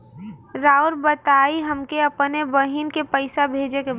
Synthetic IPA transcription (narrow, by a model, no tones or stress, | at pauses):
ɾaːʊɾbət̪aːiɦəmkeɐpnebəɦinkepəɪsabʱeːd͡ʒeke